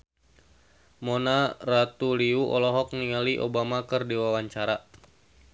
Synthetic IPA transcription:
monarat̪uliuʔɔlɔɦɔk̚niŋaliʔobamakɨrdiwawaɲt͡ʃaɾa

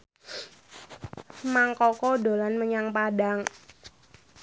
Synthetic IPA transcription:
maŋkɔkɔdo̤lanməɲaŋpadaŋ

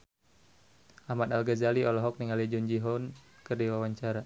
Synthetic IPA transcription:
ʔahmat̪alɡazaliʔɔlɔɦɔk̚niŋaliad͡ʒɔnd͡ʒiɦɔnkɨrdiwawaɲt͡ʃaɾa

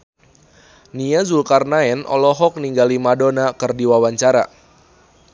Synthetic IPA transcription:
niazulkarnaɛnʔɔ̰lɔɦɔk̚niŋɡalimadonakɨrdiwawaɲt͡ʃaɾa

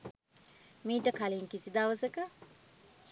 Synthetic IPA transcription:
miːʈəkaliːŋkisid̪aːʋɐsekə

